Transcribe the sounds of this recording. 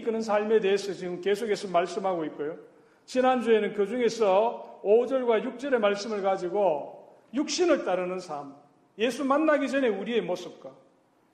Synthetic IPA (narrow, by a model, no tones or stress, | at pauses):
k͈ɯnɯns̬ʰaɭme̞de̞ːsʰʌt͡ɕiɡɯmke̞sʰokʰe̞sʰʌmaɭs͈ɯmɦaɡoit̚k͈ojo | t͡ɕinand͡ʑue̞nɯnkjod͡ʑuŋe̞sʰʌod͡ʑʌɭɡwajuk̚t͡ɕ͈ʌɾe̞maɭs͈ɯmɯɭkad͡ʑiɡo | juk̚ɕ͈inɯɭt͈aɾɯnɯnsʰam | je̞sʰumanːaɡid͡ʑʌne̞uɾie̞mos͈ɯp̚k͈a